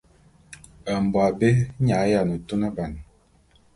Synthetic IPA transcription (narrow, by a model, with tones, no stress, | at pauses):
ə˨m̩˨bwa˨be˦ɲa˨˦ja˨nə˨to˦nə˦ba˨n˨